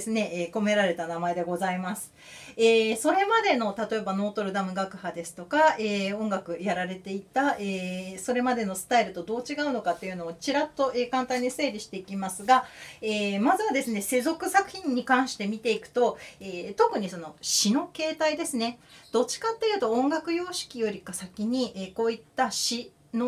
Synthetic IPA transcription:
sɨne̞ʔeːko̞me̞ɾaɾe̞t̪anamae̞d̪e̞ɡo̞zaimasɨ̥ | eːso̞ɾe̞mad̪e̞no̞t̪at̪o̞ebano̞ːt̪o̞ɾɯ̟d̪amɯ̟ɡakɯ̟had̪e̞sɨ̥t̪o̞kae̞ːõ̞ŋɡakɯ̟jaɾaɾe̞t̪e̞it̪aeːso̞ɾe̞mad̪e̞no̞sɨ̥t̪aiɾɯ̟t̪o̞d̪o̞ːt͡ɕiɡaɯ̟no̞kat̪ːe̞jiɯ̟no̞ːt͡ɕiɾat̪ːo̞ʔe̞ːkãnt̪ãɲ̟ːise̞ːɾʲiɕi̥t̪e̞ikʲimasɨɡaeːmazɨβad̪e̞sɨne̞se̞zo̞kɯ̟sakɯ̟̥çʲĩɲ̟ːikãɰ̃ɕi̥t̪e̞mʲit̪e̞ikɯ̟̥t̪o̞eːt̪o̞kɯ̟ɲ̟iso̞no̞ɕino̞ke̞ːt̪aid̪e̞sɨne̞d̪̥o̞t͡ɕi̥kat̪ːe̞jɯ̟t̪o̞õŋɡakɯ̟jo̞ːɕi̥kʲijo̞ɾʲikasakʲiɲ̟iʔeːko̞ːit̪ːaɕi | no

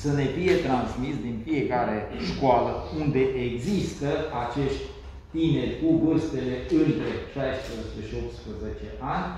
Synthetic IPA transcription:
səne̞fije̞t̪ɾansmisd̪infie̞kaɾe̞ʃkoaləund̪e̞ʔeɡzist̪əat͡ʃe̞ʃt̪ʲ | t̪ine̞rʲkuvɨrst̪e̞le̞ɨnt̪ɾe̞ʃajspɾəzt͡ʃeʃio̞p̚t̪spɾəze̞t͡ʃe̞ʔanʲ

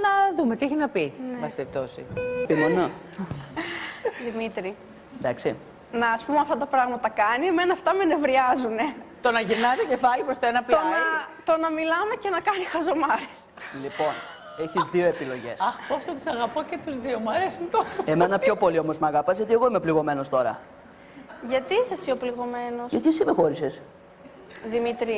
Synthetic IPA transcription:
nɐðumet̪ieçinɐpinbɐst̪ep̚t̪o̞sḭpimeno | ðimit̪ɾi | d̪ɐksi | nɐːspumeɐft̪ɐt̪ɐpɾɐɣmɐt̪ɐkɐnieme̞nɐːft̪ɐme̞ne̞vɾiɐzune̞t̪o̞nɐʝiɾnɐt̪ece̞fɐlipɾost̪oenɐplonɐt̪o̞nɐmilɐme̞cenɐkɐnixɐzo̞mɐɾes | lipo̞n | eçizðio̞epilo̞ʝe̞̰sɐxpost̪ot̪i̥sɐɣɐpocet̪uzðiomɐɾesint̪osoemenɐpço̞po̞lio̞mo̞zmɐɣɐpɐzʝɐt̪ie̞ɣo̞imepliɣo̞me̞no̞st̪o̞ɾɐ̰ | ʝɐt̪iisɐsiopliɣo̞me̞no̞sʝɐt̪isimexo̞ɾise̞s | ðimit̪ɾi

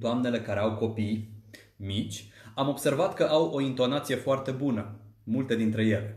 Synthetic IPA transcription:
d̪oamne̞le̞kaɾeawko̞pij | mit͡ʃʲamo̞bse̞rvat̪kəʔawo̞int̪o̞nat̪sije̞foart̪e̞bunəmult̪e̞d̪int̪ɾe̞je̞le

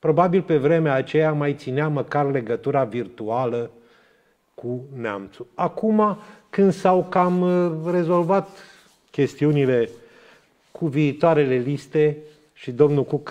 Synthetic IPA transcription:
pɾo̞babilpe̞vɾe̞meaːt͡ʃejamajt̪sineaməkarle̞ɡət̪uɾavirt̪ualə | kʰunea̰mt̪suakumakɨnd̪sawkamre̞zo̞lvat̪ | kʲe̞st̪iunile̞ | kuviːt̪oaɾe̞le̞list̪e̞ | ʃid̪o̞mnukuk

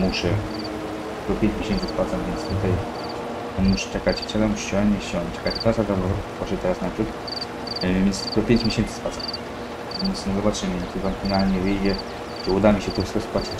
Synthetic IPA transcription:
muʂɛ | t̪ɔpʲeɲt͡ɕmʲeɕɛnsɨspwat̪samvʲjɛnt̪st̪ut̪aj | ɔnmuʂɛ̥t͡ʂɛkat͡ɕt͡ɕɛlɛmuʂɕɔanɛsɔɲt͡ʃɛkat͡ɕt̪asad̪azzpwɔʂɛt̪ɛɾasnapʂut̪ | vʲɛnst̪ɔpʲeɲt͡ɕmʲjeɕɛnt̪sɨ̥spwat̪sam | vʲɛnt̪snɛzɔbatt͡ʂɘmɨnɛt̪ivɔnfʲinalɲɛvɘjd͡ʑɛ | tɛud̪amʲiɕɛt̪ɾusk̪ɔspat͡ɕ

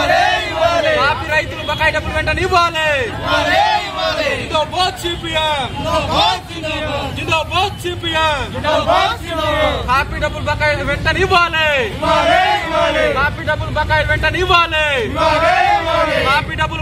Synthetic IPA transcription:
e | kaːpiɾɐjt̪ulubɐkaːjɖɐbːulʋɛɳʈɐniʋaːleː | ind̪oboːt̪̚t͡ʃiːpijaboː | ind̪oːboːt̪̚t͡ʃiːpija | kaːpiːɖɐbːulubɐkaːjlʋɛɳʈɐniʋaːleː | kaːpiːɖɐbːulubɐkaːjlʋɛɳʈɐniʋaːleː | kaːpiːɖɐbːul

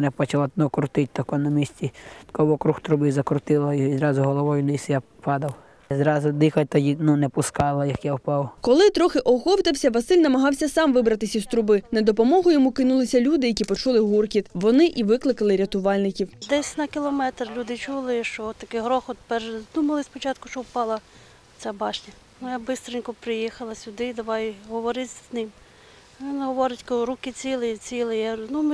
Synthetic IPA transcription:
nɛpɔt͡ʃɐlˠanɔkʊɾt̪ɪt̚ʲt̪ɐkɔnɐmʲisʲtʲit̪kɔʋɔkɾuxt̪ɾʊbɪzɐkɾʊt̪ɪlˠɐiizɾɑzʊɦɔlˠɔʋɔjʊnɪsja | pɑd̪ɐw | zɾɑzʊd̪ɪxɐt̚ʲt̪ɐjʲinunɛpʊskɑlˠɐjɐkjawpɑwkɔlˠɪt̪ɾɔxɪʔɔxɔwt̪ɐwsʲɐʋɐsɪlʲnɐmɐɦɑwsʲɐsɑmʋɪbɾɐt̪ɪsʲist̪ɾʊbɪnɐd̪ɔpɔmɔɦʊjɔmukɪnulˠɪsʲɐlʲud̪ɪjɐkʲipɔt͡ʃulˠɪɦurkʲit̪ʋɔnɪʔiʋɪklˠɪkɐlˠɪɾʲɐt̪ʊʋɑlʲnɪkʲiwd̪ɛsʲnɐkʲɪlˠɔmɛt̪rlʲud̪ɪt͡ʃulˠɪʃt͡ʃɔɔt̪ːɐkɪɦɾɔxɔt̪pɛrʒd̪umɐlˠɪspɔt͡ʃɑt̪kʊʃt͡ʃɔwpɑlˠɐ | t͡sʲabɑʃnʲɐ | mʊjabɪst̪ɾɪnʲkɔpɾɪjixɐlˠɐsʲʊd̪ɪd̪ɐʋɑjɦɔʋɔɾɪtʲznɪm | ʋʲinɦɔʋɔɾɪtʲkɔɾukɪt͡sʲilˠɪjɐt͡sʲilˠɪjɛnum

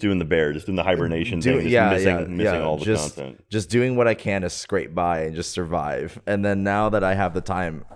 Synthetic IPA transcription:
d̥ʉɪ̃ŋðɨbɛɹd͡ʒʌsd̥ʉɪ̃ŋðəhaɪbəneɪʃɨ̃n̩dʉɪ̃d͡ʒʌjæmɪsjɪ̃ŋmɪæsɪ̃ŋɔlˠðəd͡ʒʌsɑ̰̃ntʰɛ̰̃ntd̥ʒ̥ʌsd̥ʉɪ̃ŋwʌɾaɪkʰɨ̃nɨz̥skɹeɪt̚b̥aɪɨ̃nd͡ʒʌstsə˞va̰ɪv̥ɨ̃nðɨ̃nːaʊðəɾaɪɨvðɨtʰãɪ̃m

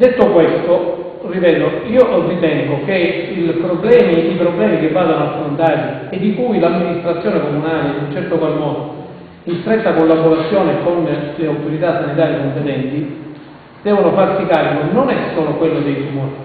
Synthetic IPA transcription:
d̪et̪ːokwest̪o | ripɛːd̪oiːorːit̪ɛŋɡokeilpɾoblɛːmiipɾoblɛːmik̟evːaːd̪anoafɾont̪aːt̪ied̪ːikujlamːinist̪ɾat̪sːjɔːnekomunaːleunt͡ʃɛrt̪okwalmɔːd̪o | inst̪ɾɛt̪ːakolːaboɾat̪sːjɔːnekonleawt̪oɾit̪asːanit̪̬aːɾjikomp̪enɛnt̪i | d̪̥ɛːvonofarsikaːɾikononɛsːoːlokwelːod̪ejt̪umɔɾi

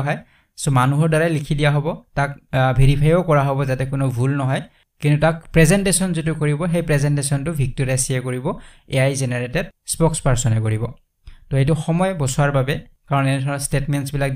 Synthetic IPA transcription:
ɦɔj | sɔmanuɦɔɹdaɹajlikʰidijaɦobɔtakbʱeɹipʰajokɔɹaɦobɔzatɛkʊnɔbʱulnɔɦɔj | kintutak̚pɹɛzɛntesɔnzitʊkoɹibɔxejpɹɛzɛntesɔntʊbʱik̚toɹiasiɛkoɹibɔ | ḛjajzenɛɹetɛdspɔkspaɹsɔnɛkoɹibɔ | tɔet̬ʊxɔmɔjbɔsʊaɹbabɛ | kaɹɔnɛnɛdʱɔnɔstetmɛnsbilak̚

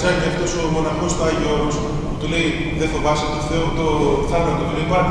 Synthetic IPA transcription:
sɐɾniɐft̪osomonɐxost̪oaʝos | put̪olei | ðeθovɐset̪oθeut̪oθɐnɐt̪ot̪oleipɐ

